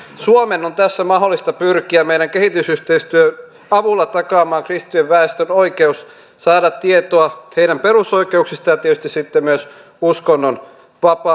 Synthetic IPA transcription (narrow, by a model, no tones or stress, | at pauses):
suomenont̪æsːæmɑɦolːˑist̪ɑpyrkiæmeiɾæŋkeɦhit̪ysyht̪eist̪yøn | ɑʋulːɑt̪ɑkɑːmɑːŋkrist̪ieʋʋæest̪ønoikeus | sɑːdɑt̪ːiet̪oɑheiɾæmperusoike̞uksist̪ɑjɑt̪iet̪yst̪isit̪ːemmyøs | uskonːon | ʋɑpɑ